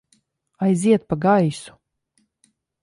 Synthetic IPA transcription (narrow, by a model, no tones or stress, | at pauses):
ajziɛt̪̚paɡajsu̥